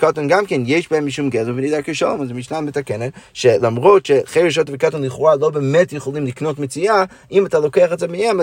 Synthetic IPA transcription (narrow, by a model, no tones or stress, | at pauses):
katonɡamkenjeʃbahemːiʃumɡezuvenid̪akeʃomazemiʃnametakenetʃelamʁotʃeχeɾeʃ̬otəvekatonliχalobemetjeχolimliknotmet͡sia | imatalokeaχetzemiɛma